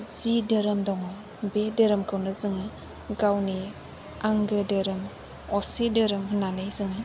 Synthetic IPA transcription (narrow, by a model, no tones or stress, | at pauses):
zidɯɾɯmdɔŋɯ | bedəɾɯmkʰɯwnɯzɯŋɯ | ɡawni | aŋɡɯdəɾɯm | ɔsidɯɾɯmɦɯnanɯzɯŋɯ